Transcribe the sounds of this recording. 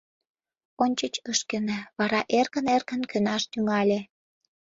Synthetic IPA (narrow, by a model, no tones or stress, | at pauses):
onʲt͡ɕət͡ɕəʃkenĕβɑɾɑʔerkənerkənkønɑʃt̪yŋɑlʲe